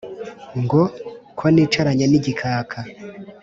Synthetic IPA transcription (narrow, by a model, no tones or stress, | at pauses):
ŋɡokʰwoniːt͡ʃaɾaɲaniɟikʰaːkʰa